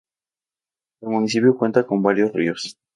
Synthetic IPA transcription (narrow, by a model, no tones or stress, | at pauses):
elmunisipjokwe̞nt̪ako̞mbaɾjo̞srḭos